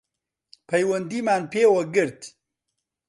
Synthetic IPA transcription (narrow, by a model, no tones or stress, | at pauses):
pʰɐjwɐnd̪iːmaːnpeːwɐɡɨɾt̪